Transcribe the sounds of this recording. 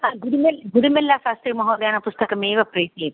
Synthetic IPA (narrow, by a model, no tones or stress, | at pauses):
aɡuɾumelɡuɾumelːaːʃaːst̪ɾiːmɐɦoːd̪jaːnɐpʊst̪ɐkɐmeːʋɐpɾeːseːt̪